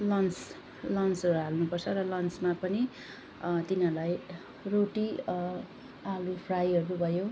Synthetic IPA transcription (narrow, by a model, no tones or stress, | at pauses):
lʌnt͡s | lʌnt͡sʌɾuɦalnupʌrt͡sʰʌɾʌlʌnt͡smapʌni | t̪inʌlaj | roʈi | alupʰrajɦʌɾubʱʌjo